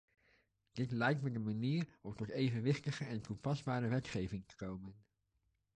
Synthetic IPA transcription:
d̥ɪtlɛjk̚tmədəmaniːɹɔmtɔtejvənʋɪχtəχəʔɛntupɑzbaːɾəʋɛtχejvɪŋtə̥kowmən

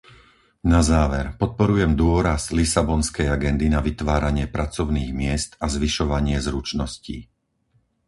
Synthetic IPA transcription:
nazaːʋɛɾpɔt̪̚pɔɾujɛmd̪ʊɔɾazlisabɔnskɛjaɡɛnd̪inaʋit̪ʋaːɾaɲɪɛpɾat͡sɔʊniːɣmɪɛst̪azʋiʃɔʋaɲɪɛzɾut͡ʃnɔscḭː

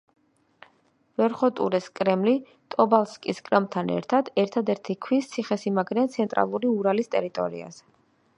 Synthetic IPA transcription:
vɛɾχɔt̪ʼṵɾɛskʼɾɛmli | t̪ʼɔbalˠskʼiskʼɾɛmt̪ʰanɛ̰ɾt̪ʰad̪ɛɾt̪ʰad̪ɛɾt̪ʰikʰwist̪sʰiχɛsimaɡɾiant̪sʰɛnt̪ʼɾa̰lˠuɾiuɾalist̪ʼɛ̰ɾit̪ʼɔ̰ɾḭa̰z̥ɛ

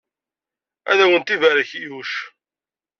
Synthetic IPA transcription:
æ̰ðæwənt̪ivæɾəçijuʃ

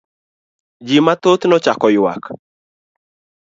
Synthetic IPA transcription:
d͡ʒimat̪ot̪nɔt͡ʃakɔjwa̰k

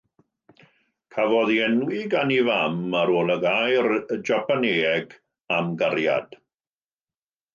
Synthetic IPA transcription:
kʰavɔðiɛnwɪɡanivamaɾoːlˠəɡajrd͡ʒapʰaneːɛɡ | amɡarja̰d̥

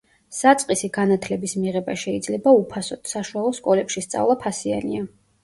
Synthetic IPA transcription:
sat̪sʼqʼisiɡ̥anat̪ʰlɛbismiʁɛbaʃɛid̪zlɛbaupʰasɔt̪ʰsaʃualˠɔskʼɔlɛpʃist̪sʼa̰vlˠapʰasia̰nia

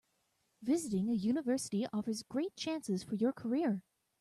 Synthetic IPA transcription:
vɪzɨɾɪ̃ŋɨjʉnəvɜ˞səɾiʔɔfə˞zɡɹeɪt̚t͡ʃʰæ̃nsɨz̥fə˞jə˞kʰə˞ɪɹ

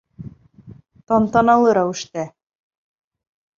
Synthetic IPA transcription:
t̪ɑnt̪ɑnɑlˠɤɾæwɘ̆ʃt̪æ

